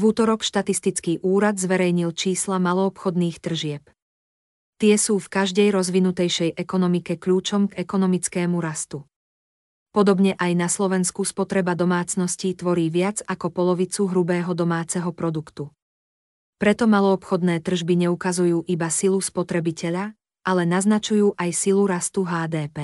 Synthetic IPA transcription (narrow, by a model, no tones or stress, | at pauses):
vut̪ɔɾɔkʃt̪at̪ist̪it͡skiːʔuːɾad̪zʋɛɾɛjɲilt͡ʃiːslamalɔːpxɔd̪niːxt̪r̩ʒɪɛp | t̪ɪɛsuːfkaʒd̪ɛjɾɔzʋinut̪ɛjʃɛjʔɛkɔnɔmikɛkʎuːt͡ʃɔmɡɛkɔnɔmit͡skɛːmuɾast̪u | pɔd̪ɔbɲɛʔajnaslɔʋɛnskuspɔt̪ɾɛbad̪ɔmaːt͡snɔscit̪ʋɔɾiːʋɪad͡zakɔpɔlɔʋit͡suɦɾubɛːɦɔd̪ɔmaːt͡sɛɦɔpɾɔd̪ukt̪u | pɾɛt̪ɔmalɔːpxɔd̪nɛːt̪r̩ʒbiɲɛukazujuːʔibasiluspɔt̪ɾɛbicɛʎa | ʔalɛnaznat͡ʃujuːʔajsiluɾast̪uɦaːd̪ɛːpɛː